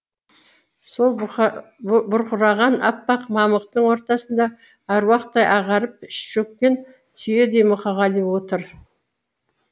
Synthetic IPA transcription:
so̞lˠ | bʊɾqʊɾɑʁɑnɑpːɑqmɑməq̚t̪əɴwo̞ɾt̪ɑsənd̪ɑ | æɾwɑqt̪ːɑjʔɑʁɑɾəp̚ɪʃʃɵk̚pe̞n | t̪ʰʏje̞d̪e̞jmʊqʰɑʁɑlˠiwo̞t̪əɾ

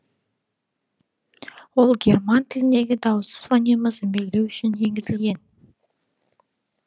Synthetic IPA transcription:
wo̞lˠɡʲe̞rmant̪ʰɪlɪnd̪e̞ɡʲɪd̪ɑwəsə̥svɑnʲeməzme̞ɡʲɪlewʏʃɪne̞ŋɡʲɪzɪlɡʲe̞n

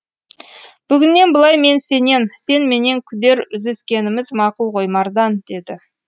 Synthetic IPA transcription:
b̥ʏɡʲɪnːe̞nbəlˠɑjme̞nse̞ne̞nse̞nme̞ne̞ŋkʲʰʏd̪e̞ɾʏzd̪e̞skʲe̞nɪmɪzmɑqʊlˠqʰo̞jmɑɾd̪ɑnd̪̥e̞d̪ɪ

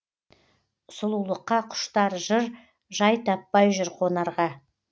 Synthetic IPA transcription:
ʊsʊlˠulˠəqːɑqʰʊ̥ʃt̪ɑɾʒəɾ | ʒɑjt̪ʰɑpːɑjʒʏɾqʰonɑɾʁɑ

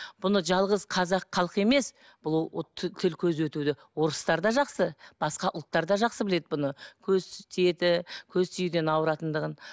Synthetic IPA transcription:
b̥ʊnəʒɑlˠʁəzqʰɑzɑqʰːɑlˠəqe̞me̞s | b̥ʊlˠʰt̪ʰɪlkʲʰɵzwɵt̪ud̪ɪ | wo̞ɾəst̪ɑɾd̪ɑʒɑqsəb̥ɑsqɑʔʊlˠt̪ːɑɾd̪ɑʒɑqsəbɪle̞d̪ɪbʊnəkʲʰɵzt̪ʰije̞t̪ɪkʲʰɵzt̪ʰʏjɪd̪e̞nɑwɾɑt̪ənd̪əʁən

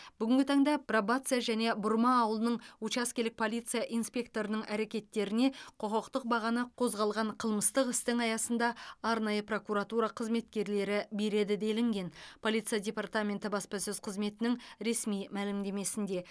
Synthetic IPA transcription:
b̥ʏɡʲɪŋɡʲɪt̪ʰɑɴd̪ɑprobat̪sɨjaʒæne̞bʊɾmɑːwəlˠənəɴut͡ʃɑskʲelɪk̚pʰo̞lˠijt̪sɨjaʔijnspʲe̞k̚t̪o̞ɾənəɴʔæɾe̞kʲe̞t̪ːe̞ɾɪne̞qʰoqəqt̪əq̚bɑʁɑnəqʰo̞zʁɑlˠʁɑɴqʰəlˠməst̪əqɪst̪ɪŋɑjɑsənd̪ɑɑɾnɑjəpro̞kuɾat̪uɾɑqʰəzme̞t̪kʲe̞ɾle̞ɾɪbe̞ɾe̞d̪ɪd̪e̞lɪŋɡʲe̞npʰo̞lʲijt̪sɨjadʲe̞part̪amʲe̞nt̪ɪbɑspɑsɵz̥qʰəzme̞t̪ɪnɪŋɾe̞smijmælɪmd̪e̞me̞sɪnd̪e̞

